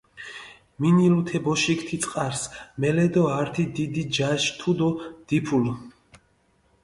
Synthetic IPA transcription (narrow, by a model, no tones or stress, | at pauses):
minilut̪ʰɛbɔʃikʰt̪ʰit̪sʼqʼaɾsmɛlɛd̪ɔaɾt̪ʰid̪id̪id͡ʒaʃt̪ʰud̪ɔd̪̥ipʰul